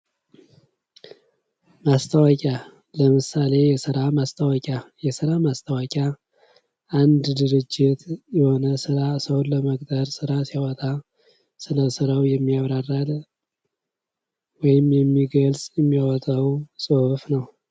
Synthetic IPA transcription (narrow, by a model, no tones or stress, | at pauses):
mast̪ʰəwakʼa | ləmɨsale̞jɛsɨɾamast̪ʰəwakʼajɛsɨɾamast̪ʰəwakʼa | ʔand̪d̪ɨɾɨd͡ʒːɪt̪jɛho̞nəsɨɾasəwləmək̚ʼt̪əɾsɨɾasiawɔt̪ʼa | sɨləsɨɾawjɛmːiaβɾarːal | wɔjɪmjɛmːiɡəlsʼjɛmːijawɔt̪ʼawsʼɨhfnəw